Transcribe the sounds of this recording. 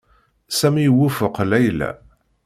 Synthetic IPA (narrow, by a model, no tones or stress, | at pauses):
sæmiwufəqlæjlæ̰